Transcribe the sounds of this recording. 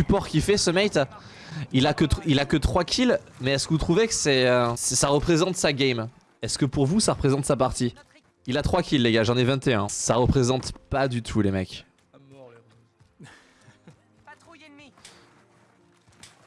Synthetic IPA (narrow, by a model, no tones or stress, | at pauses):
sypɔʁkʲifɛsəmɛjt̪ | ilakət̪ilakət̪χwakʲʰil | mɛːskəvut̪χuvɛkə̥sɛøsɛsaʁəpχezɑ̃t̪saɡʲɛm | ɛskəpuʁvusaʁəpχezɑ̃t̪sapaʁt̪i | ilat̪χwakʲilːeɡaʒɑ̃nevɛ̃t̪eɛ̃saʁəpχezɑ̃t̪pad̪yt̪ʰulemɛk